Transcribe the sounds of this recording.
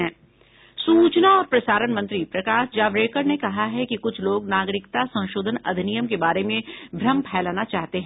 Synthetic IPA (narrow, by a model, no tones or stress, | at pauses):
ɛ̃ː | suːt͡ʃnaɔːɾpɾɐsaːɾənmɐ̃nt̪ɾipɾɐkaːʃd͡ʒaːʋɾeːkəɾnekɐɦaɦɛkikʊt͡ʃʰloːɡnaːɡɾɪkt̪asɐ̃w̃ʃoːd̪ʱənɐ̰d̪ʱinijəmkebaːɾemẽbʱɾɐmpʰɛːlaːnat͡ʃaːɦt̪eɦɛ̃ː